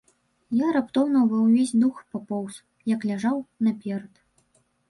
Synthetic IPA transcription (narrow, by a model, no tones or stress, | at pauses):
jaɾapt̪ɔwnɐwvɐwvʲesʲd̪uxpapɔws | jɐklʲaʐawnɐpʲɛɾɐt̪